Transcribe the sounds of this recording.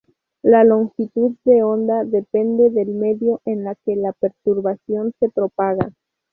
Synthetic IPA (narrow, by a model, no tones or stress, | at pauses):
lalo̞ŋxit̪ud̪̚d̪eond̪aðe̞pe̞nd̪eðe̞lmeðjo̞ʔenlake̞lape̞ɾt̪uɾβasjo̞nse̞pɾo̞paɣa